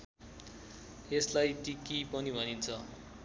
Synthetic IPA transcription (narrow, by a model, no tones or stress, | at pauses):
eslajt̪ikipʌnibʱʌnint͡sʰʌ